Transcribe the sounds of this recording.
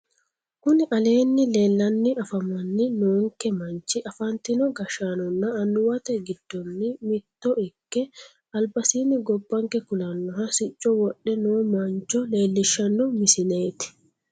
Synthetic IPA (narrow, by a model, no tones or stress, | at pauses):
kʊnɪʔɐle̞ːnːɪle̞ːlːɐnːɪʔɐfɐmɐnːɪnoːŋkɛmɐnt͡ʃːɪʔɐfɐnt̪ɪnɔɡɐʃaːnɔnːɐːnːʊwɐt̪ɛɡɪd̪̥ːɔnːɪmɪt̪ːɔɪkːɛ | ɐlbɐsiːnɪɡɔbːɐŋkɛkʊlɐnːɔhɐsɪt͡ʃʼːɔwɔɗːɛnoːmɐnt͡ʃːɔle̞ːlːɪʃːɐnːɔmɪsɪne̞ːt̪ɪ̥